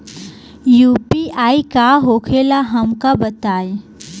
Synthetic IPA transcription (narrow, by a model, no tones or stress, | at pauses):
juːpiʔaːikaɦokʰelaɦəmkabət̪aːẽ